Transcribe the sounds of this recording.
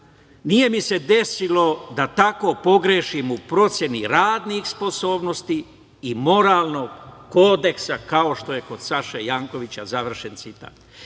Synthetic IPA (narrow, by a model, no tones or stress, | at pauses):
nije̞mise̞d̪e̞silo̞d̪at̪ako̞po̞ɡɾeːʃimupɾo̞t̪sʲje̞niɾaːd̪nixspo̞so̞ːbnost̪iː | mo̞ɾaːlˠno̞ɡːo̞ːd̪e̞ksakao̞ʃt̪o̞je̞ko̞d̪saʃejaːŋko̞ʋit͡ɕazaʋr̩ʃe̞nt̪sit̪a̰ːt̪